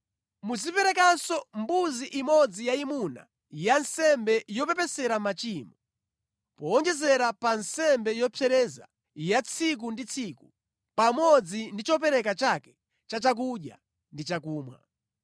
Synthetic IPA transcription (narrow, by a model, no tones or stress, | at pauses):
muzipɛɾɛkasɔmbuziʔimɔd͡zijaimuna̰ | jansɛmbɛjɔpɛpɛsɛɾamat͡ʃiːmɔ | pɔːnd͡ʒɛzɛɾapansɛmbɛjɔpʰɛɾɛza̰ | jat͡sʰik̬undit͡sʰiku | pamɔd͡zindit͡ʃɔpɛɾɛkat͡ʃakɛ̥ | t͡ʃat͡ʃak̬uɗja̰ | ndit͡ʃakuːmwa̰